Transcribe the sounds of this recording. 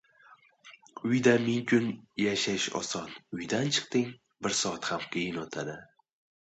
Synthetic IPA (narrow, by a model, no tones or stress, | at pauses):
ʊjd̪amɪŋkʰʊnjaʃaɪʃɒ̰sɒnʊjd̪ant͡ʃʰɨ̥qt̪ɪŋ | bɪɾsɒat̪hamqʲʰejɪnot̪ʰad̪ɪ